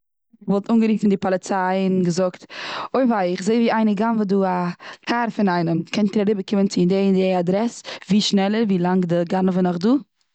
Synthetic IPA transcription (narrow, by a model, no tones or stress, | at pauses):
ɪvɔlˠtuːnɡəɾiːtɪndɪpɔlˠɪt͡saɪɪnɡəzʊktoɪfaɪɪχzeɪviːaɪnəɡanvoduːakʰaɾfɪnaɪnəmkʰɛntdɪɾaɾɪbəkɪmənt͡sɪdendeadɾɛsviːʃnɛlˠəɾviːlˠaŋɡdəɡanəvənɔχduː